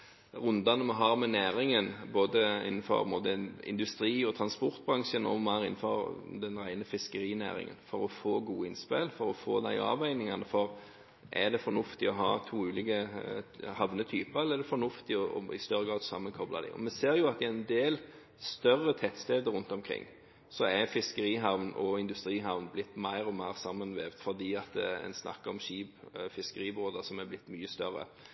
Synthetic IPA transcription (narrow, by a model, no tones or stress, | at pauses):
ɾʉnd̪ɑnəmɛɦɑːɾmɛnæːɾɪŋənboːd̪əɪ̰n̩ːfɔ̰ɾboːd̪əɪ̰nd̪ʉst̪ɾiːɔt̪ʰɾɑnspɔɾt̪̚bɾɑŋʃənɔ̰mæɾɪnːfɔɾd̪ɛnɾæɪnəfɪskəɾiːnæ̰ːɾɪ̰ŋə̰nfɔɾɔfoːɡuːəɪnspelfɔɾɔfo̰ːd̪æ̰ɪ̰ɑ̰ːʋæɪnɪŋɑnəfɔɾ | ʔæd̪ɛfɔɾnʉft̪ɪɔɦɑ̰ːt̪ʰuːʉːlɪːɡə | hɑʋnət̪ʰyːpəɛlːəɛɾd̪ɛfɔnʉft̪ɪɔɔ̰ɪ̰st̪œɾəɡɾɑːd̪sɑmːənkʰɔblɑd̪ɪ̰ʔɔ̰mɛseːɾjʊɑt̪ɪænd̪eːl | st̪œrːət̪ʰɛt̪st̪eːd̪əɾʉnt̪ɔmkʰɾɪ̰ŋː | sɔæfɪskəɾiːɦɑʋnɔɪnd̪ʉst̪ɾiːɦɑʋnblɪt̪ːmæɪɾɔmæɪɾsɑmːənʋeːʋd̪fɔɾd̪iːɑt̪ɛ̰nsnʔɑ̰kːəɾɔmɕiːbfɪskəɾiːboːd̪əsɔmæblɪt̪ːmyːəst̪œɾːə̰